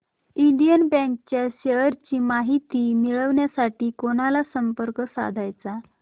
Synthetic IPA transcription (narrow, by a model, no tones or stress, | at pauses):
iɳɖijənbɛ̃ŋk̚t͡ɕjaɕejəɾt͡ɕiːmaɦit̪iːmiɭəʋɳjasaʈiːkoɽ̃alasəmpəɾksa̰d̪ʱajt͡sa